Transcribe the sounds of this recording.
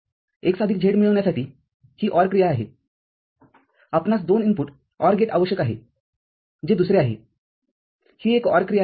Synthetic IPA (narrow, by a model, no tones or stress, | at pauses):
eksad̪ʱikd͡ʑʱeɽmiɭəʋɳjasaʈiː | hiːʔɔɾkɾijaaɦḛ | apnasd̪onimpuʈ | ɔɾɡeʈa̰ʋəɕjəkaɦḛ | d͡ʑed̪usɾeaɦḛ | hiːekɔɾkɾija